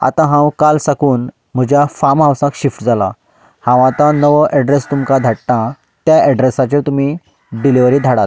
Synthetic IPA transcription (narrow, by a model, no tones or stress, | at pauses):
a̰t̪ãɦãwkalsakuːn | m̤əd͡ʑjafamɦãwsãkɕifʈd͡zala̰ | hãw̃at̪ãnəʋəʔɛɖɾest̪umkad̪ʱaʈʈ̪ã | t̪jaʔɛɖɾesat͡ɕet̪um̤i | ɖiliʋɾiːd̪ʱaɽat̪̚